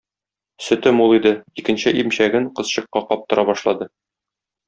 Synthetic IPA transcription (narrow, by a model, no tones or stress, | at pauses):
sɵ̆t̪ɘmulˠid̪ɘikɘ̆nɕɘʔimɕæɡɘŋqɤ̆zɕɤ̆qːɑqɒp̚t̪ɤ̆ɾʔɑbɒʃlˠɑd̪ɤ